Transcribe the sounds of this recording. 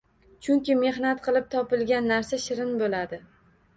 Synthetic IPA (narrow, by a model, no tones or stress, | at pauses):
t͡ʃʰʊŋkʲɪme̞ɦnat̪qʰɨlˠɪp̚t̪ʰɒpɪlˠɡʲanːaɾsaʃɪɾɪnbolad̪ɪ